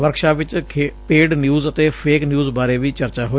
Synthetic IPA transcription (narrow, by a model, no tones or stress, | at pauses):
ʋəɾkʃaːʋɪt͡ʃʰːpeːɖnjuːzət̪eːpʰeːknjuːzbaːɾeːʋiːt͡ʃəɾt͡ʃaːɦoː